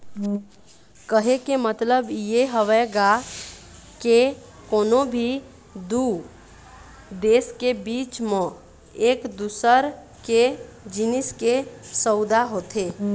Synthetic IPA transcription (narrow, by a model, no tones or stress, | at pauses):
kəɦekemət̪ləbjeɦəʋɛɡa | ke | koːnobʱi | d̪u | d̪eːskebiːt͡ʃmẽ | eːkd̪usəɾ | ke | d͡ʒiniskesəʊd̪aɦot̪ʰe